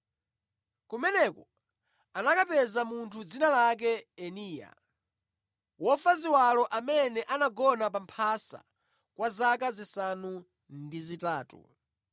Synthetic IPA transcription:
kumɛnɛkɔ | anakapɛzamuntʰud͡zinalak̬ɛɛniːja̰ | wɔfaziwalɔʔamɛnɛʔanaɡɔnap̬ampʰasa̰ | kwazak̬azisanu | ndizitaːtṵ

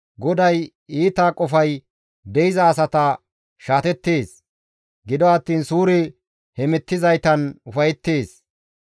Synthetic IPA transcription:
ɡɔd̪ɐj | iːt̪aːkʼɔfɐj | d̪ɛɪzɐːs̬ɐt̪ɐ | ʃaːt̪ɛt̪ːeːs | ɡɪd̪ɔɐt̪ːiːnsuːɾɪ | hɛmɛt̪ːɪzɐjt̪ɐnʊfɐjɛt̪ːeːs

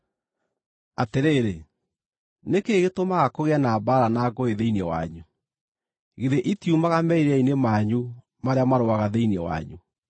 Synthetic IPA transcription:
ateɾeːɾe | nekeɣetomaɣakoɣeanaːbaɾanaːɡoeðeinɛwa̰ɲu | ɣeðeʔitiumaɣamɛiɾeainemaɲu | maɾeamaɾoaɣaðeinɛwa̰ɲu

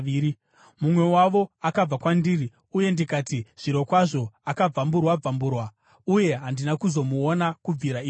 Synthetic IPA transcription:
ii | mumwe̞waʋo̞akab͡vakwandiri | uje̞ndikaːtiʐ̥iɾo̞kwaʐo̞akab͡vamburwab͡vamburwa | uje̞ɦandinakuzo̞muonakub͡viɾaiː

